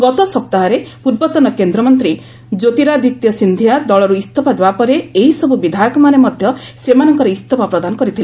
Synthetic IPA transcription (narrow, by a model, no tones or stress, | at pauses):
ɡɔt̪ɔsɔp̚t̪aɦɔɾepuɾbɔt̪ɔnɔkend̪ɾɔmɔnt̪ɾi | d͡ʒot̪iɾad̪it̪jɔsind̪ʱijad̪ɔɭɔɾuist̪ʰɔpad̪ebapɔɾeeɦisɔbubid̪ʱajɔkɔmanemɔd̪ʱjɔsemanɔŋkɔɾeist̪ʰɔpapɾɔd̪anɔkɔɾit̪ʰil